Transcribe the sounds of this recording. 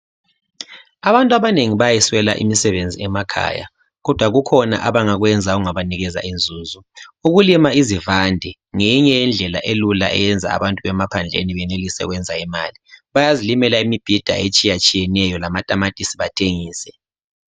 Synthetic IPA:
aβantʼwaβaneŋiβajɛswɛla̰ʔḭmisɛβend͡zʱiɛmakʰa̰ːja̰ | ɣɔd̥ʱwaɣukʰɔna̰ʔaβaŋaɣwɛnd͡zʱauŋaβaniɣɛza̰ʔind͡zʱuːzuuɣulimaizivandʱɛ | ŋeɲɛjɛnd͡ɮʱɛla̰ʔelula̰ʔɛ̰jɛnd͡zʱa̰a̰βantʼuɛmapʰand͡ɮʱḛniβɛnelisɛ̰ɣwɛnd͡zʱaima̰ːliβajazilimɛlaimib̥ʱid̥ʱa̰et͡ʃʼijat͡ʃʼijɛnɛjɔlamatʼamatʼisiβatʰeŋiːsɛ

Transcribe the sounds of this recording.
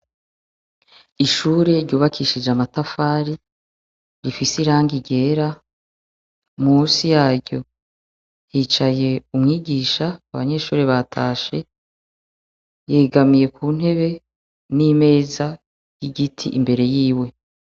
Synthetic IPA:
iʃuːɾe̞ɾɟuːβakiʃid͡ʒamatafaːɾi | ɾifisiɾaːŋɡiɟe̞ːɾa | musijaːɾɟo̞ | hiːt͡ʃaje̞umŋiːɡiːʃaːβa̰ɲe̞ʃuːɾeβatʰaːʃe̞ | jeːɡamije̞kuːn̥he̞βe̞ | nime̞ːza | jiɡitʰḭʔimbe̞ɾe̞jiːwe̞

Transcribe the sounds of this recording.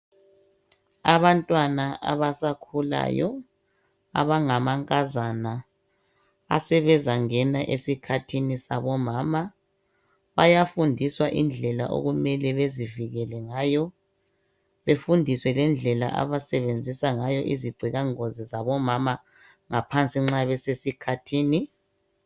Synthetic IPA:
aβantʼwanaa̰βasakʰula̰jɔ̰ | a̰βaŋamaŋkʼazana | sɛβɛzaŋɛnaʔesikʰatʰinisaβɔmaːma | βajafundʱiswaʔind͡ɮʱɛla̰ʔo̰ɣumɛlɛβeziviɣɛlɛŋaːjɔ | βefundʱiswɛlɛnd͡ɮʱɛla̰ʔa̰βasɛβend͡zʱisaŋajɔʔiziɡ͡ǀʱiɣaŋozizaβɔmama | ŋapʰant͡sʼiŋ͡ǁaβɛsesikʰatʰiːni

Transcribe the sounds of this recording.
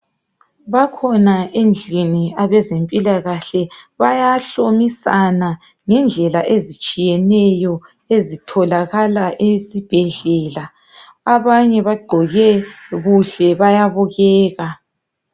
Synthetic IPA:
βakʰɔnaʔend͡ɮʱiniaβɛzempʼilaɣaɬɛβajaɬomisana | ŋɛnd͡ɮʱɛlaʔezit͡ʃʼijɛnɛjɔ | ezitʰɔlaɣalaʔesib̥ʱɛɮɛla | aβaɲɛβaɡ͡ǃʱɔɣɛɣuɬɛβajaβuɣɛːɣa

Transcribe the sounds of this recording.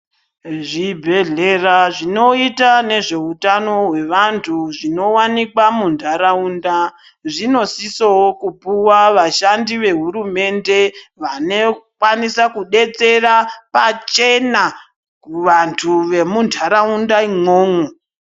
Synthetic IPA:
ʐibʱe̞ɮeraʐino̞itane̞ʐe̞utano̞ɦwe̞ʋantʰuʐino̞wanikwamundʱaɾaunda | ʐino̞sisokupuwaʋaʃandiʋe̞ɦuɾume̞nde̞ʋanekwanisakuɗe̞t͡se̞rapat͡ʃe̞na | kuʋantʰuʋe̞mundʰʱaɾaundaimoːŋo

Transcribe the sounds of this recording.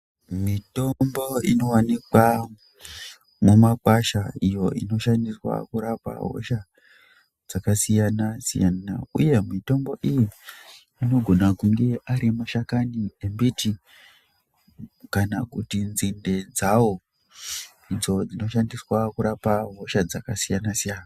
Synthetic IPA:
mito̞mbo̞ino̞wanikwa | mumakwaʃaijo̞ʔḭno̞ʃandiswa̰kuɾapa̰ɦo̞̰ʃa | d͡zakasijanasḭja̰nna̰ṵje̞mito̞mbo̞ʔijiː | no̞ɡʱo̞nakuŋɡeʔaɾimaʃakaniembiti | kanakutinzinde̞d͡zawo̞ | id͡zo̞d͡zino̞ʃandiswakuɾapaɦo̞ʃad͡zakasijanasijaːna

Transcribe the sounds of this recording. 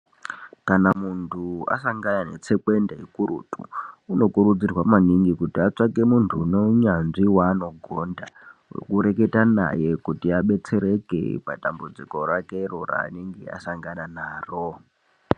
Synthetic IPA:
kanamuntʰua̰saŋɡananet͡sekwe̞ndeikuɾṵtuuno̞kuɾud͡zirwamaniŋɡikutiat͡ʂakemuntʰuːno̞ɲanʐiwaːno̞ɡʱondawḛkuɾe̞ke̞tana̰jekutiaɓe̞t͡se̞ɾekḛpadambud͡ziko̞ɾakerora̰ːneŋɡia̰saŋɡananaːro̞

